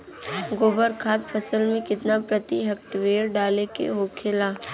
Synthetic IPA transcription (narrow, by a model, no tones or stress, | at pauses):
ɡoːbəɾkʰaːt̪̚pʰəsəlmẽkɪt̪napɾət̪iɦɐk̚ʈʋeːɾɖaːlekḛɦoːkʰɪlaː